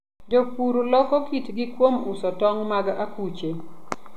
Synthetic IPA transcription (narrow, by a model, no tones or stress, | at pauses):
d͡ʒokuɾulɔkɔkitɡɪkwomʊsɔtɔŋmaɡaakut͡ʃe